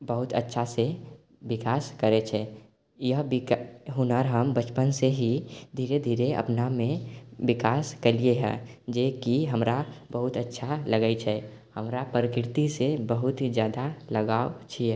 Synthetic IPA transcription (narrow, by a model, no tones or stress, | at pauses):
bəɦʊt̪ʰə̰tːʃʰase | ʋɪkaːskəɾet͡ʃʰɛ | jəɦbɦʊnəɾɦəmbət͡ʃpənseɦid̪ʱiːɾed̪ʱiːɾeə̰pnamẽwɪkaːskəlieɦɛ̰̃ːd͡ʒeːkiɦəmɾabəɦʊt̪ətːʃʰaləɡəit͡ʃʰɛ | həmɾapɾəkɾɪt̪isebəɦʊt̪d͡ʒjaːd̪aləɡaːot͡ʃʰiɛ